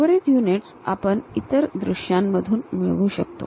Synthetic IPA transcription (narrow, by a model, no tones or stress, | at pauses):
ʋɽiːt̪juniʈsa̰pənit̪əɾd̪ɾuɕjamːəd̪ʱuːnmiɭʋuːɕək̚t̪o̰